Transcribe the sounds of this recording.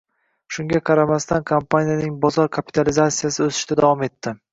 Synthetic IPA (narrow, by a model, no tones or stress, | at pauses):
ʃʊŋɡʲaqʰɑɾamast̪ankʰampʰanijanɪŋbɒzɒɾkʰapʰi̥t̪ʰalɪzasijasɪɵsɪ̥ʃt̪ʰad̪avɒme̞t̪ːɪ